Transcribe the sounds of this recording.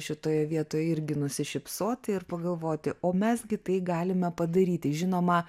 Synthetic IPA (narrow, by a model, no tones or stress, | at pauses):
ʃʲɪt̪oːjɛʋʲiɛt̪oːjɛɪɾʲɡʲɪnʊsʲɪʃʲɪpsoːt̪ʲɪɪrpɐɡɐlˠʋoːt̪ʲɪʔoːmʲɛsɡʲɪt̪ɐɪɡɑːlʲɪmʲɛpɐd̪ɐɾʲiːt̪ʲɪʒʲɪnoːmɐ